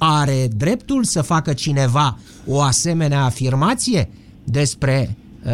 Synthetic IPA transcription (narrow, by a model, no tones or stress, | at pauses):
aɾe̞d̪ɾe̞pt̪ulsəfakət͡ʃine̞va | o̞ase̞me̞neaːfirmat̪sije̞ | d̪e̞spɾe̞